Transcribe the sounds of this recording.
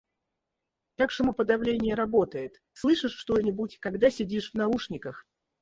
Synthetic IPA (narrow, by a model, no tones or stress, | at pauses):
t̪aksəməpəd̪ɐvlʲenʲɪjəɾɐbo̞t̪əjɪt̪ | slˠɨʂɨʂʂt̪o̞nʲɪbutʲkɐɡd̪asʲɪdʲiʂvnɐuʂnʲɪkəx